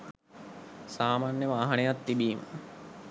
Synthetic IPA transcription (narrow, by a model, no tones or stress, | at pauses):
saːmaːnjeʋaaɦɐnejat̪ːibiːmə̰